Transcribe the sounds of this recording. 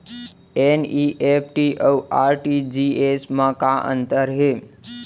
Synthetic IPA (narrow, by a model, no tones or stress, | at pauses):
eniʔepʰʈiʔəwaɾʈid͡ʒiesmãkaʔə̰nt̪əɾɦe